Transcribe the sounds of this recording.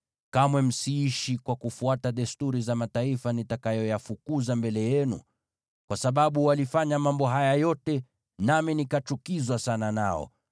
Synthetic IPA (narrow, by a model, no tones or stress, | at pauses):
kamwɛm̩siiʃikwakufuataɗɛstuɾizamataifanitakajɔjafukuzambɛlɛjɛnṵ | kwasaɓaɓuwalifaɲamambɔɦajajɔtɛ | naminikat͡ʃukizwasananaɔ̰